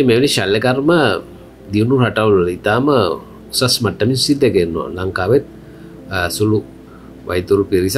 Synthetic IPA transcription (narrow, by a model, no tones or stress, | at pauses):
emeʋneʃalːəkarmə | d̪iʋnurɦaʈaʋlələit̪aːmə | sɐsmaʈːəmisid̪ɛkenːoa̰laŋkaːʋet̪̚ | sulu | ʋa̰jt̪uɾupiɾis